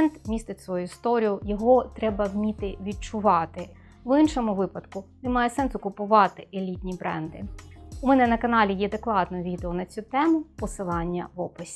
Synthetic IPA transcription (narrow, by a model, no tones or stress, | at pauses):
ɛnd̪mʲist̪ɪtʲsʋɔjuɪst̪ɔɾʲijʊjɔɦɔt̪ɾɛbɐwmʲit̪ɪʋʲid̚t͡ʃʊʋɑt̪ɪ | ʋɪnʃɔmʊʋɪpɐd̪kʊnɛmɑjɛsɛnsʊkʊpʊʋɑt̪ɪelʲit̪ʲnʲibɾɛ̰nd̪ɪ̰ʊmɛnɛnɐkɐnɑlʲijɛd̪eklˠɑd̪nɔjʋʲid̪eɔnɐt͡sʲut̪ɛmʊpɔsɪlˠɑnʲːɐʋɔpʊsʲ